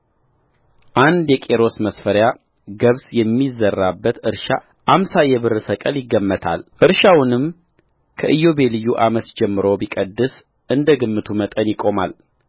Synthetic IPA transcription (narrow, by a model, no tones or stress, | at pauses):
ʔand̪jɛkʼe̞ɾo̞sməsfəɾja | ɡəβsjɛmːizərːabːət̪ɨɾʃa̰ | ʔamsajɛβɨɾɨsəkʼəljɪɡːəmːət̪ʰa̰lʔɨɾʃawnɨm | kʰəʔɨjːo̞be̞lɨjːuʔamət̪d͡ʒɛmːɨɾo̞wbikʼəd̪ːɨs | ʔɨnd̪əɡɨmːɨt̪ʰumət̪ʼənjɪkʼo̞mal